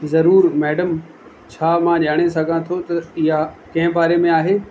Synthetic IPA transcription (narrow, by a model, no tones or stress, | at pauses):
zɐɾuːɾmɛːɖəm | t͡ɕʰaːmãʄaːɽ̃esɐɡʱãt̪ʰot̪ɐɪɦakɐ̃ɦɪ̃baːɾemẽaːɦeː